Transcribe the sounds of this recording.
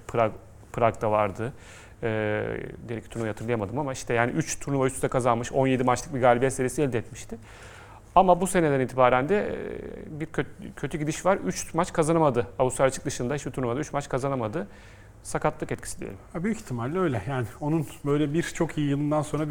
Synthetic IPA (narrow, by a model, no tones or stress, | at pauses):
pʰɾa | pʰɯɾakd̪avaɾd̪ɯː | d̪eɾɛcʰːi̥t̪uɾnujat̪ʰɯɾlˠɯjamad̪ɯmamaiʃt̪ʰɛjaːnḭʔyt͡ʃt̪ʰuɾnuvayt͡ʃt̪yzɛkʰazanmɯʃo̞nje̞d̪imat͡ʃlˠɯk̚biɡaːlʲibɛːseɾiesiɛlʲd̪ɛt̪miʃt̪ɪ | amabuse̞ned̪æniːt̪ʰibaːɾænd̪ɛ | biɾʰøcʰøt̪ʰyɟid̪iʃvaɾyt͡ʃmat͡ʃkʰazanamad̪ɯabusaɾat͡ʃʰɯk̚d̪ɯʃɯnd̪aɦit͡ʃbit̪ʰuɾnumad̪ayt͡ʃmat͡ʃkʰazanamad̪ɯ | sakat̪lˠɯkɛt̪cʰi̥sid̪ʲijelʲimabyjyci̥t̪ʰːimalʲːø̞jlʲɛjaːnɪo̞nunbø̞jlʲɛbiɾt͡ʃʰo̞kʰijijɯlˠɯnd̪anso̞nɾa